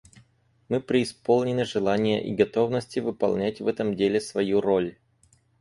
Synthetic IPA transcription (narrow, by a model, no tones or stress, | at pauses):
mɨpɾʲɪːspo̞lˠnʲɪnɨʐɨlˠanʲɪjə̰ʔḭɡɐt̪o̞vnəsʲtʲɪvɨpɐ̰lˠnʲætʲvɛt̪əmdʲelʲɪsvɐjuɾolʲ